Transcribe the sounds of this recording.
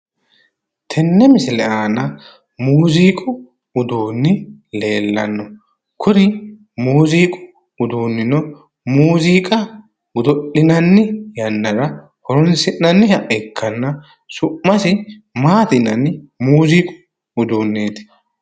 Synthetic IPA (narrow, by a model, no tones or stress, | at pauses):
t̪ʰɛnːɛmɪsɪlɛʔaːnɐ | muːziːkʼʊ | ʊd̪uːnːɪle̞ːlːɐ̰nːɔ | kʰʊɾɪ | muːziːkʼʊ̥ | ʊd̪uːnːɪnɔ | muːziːkʼɐ | ʊd̪ɔɗɪnɐnːɪjɐnːɐɾɐ | hɔɾɔnsɪnːɐnːɪhɐʔɛkʰːɐnːɐ | sʊʔːɐsɪmaːt̪ɪnɐnɪmuːziːkʼʊ̥ | ʊd̪uːnːeːt̪ɪ̥